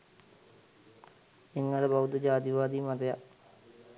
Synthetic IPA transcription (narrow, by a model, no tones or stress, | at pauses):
siŋːaləbaut̪əd͡ʒaːd̪iʋaːd̪iːmat̪ɐjak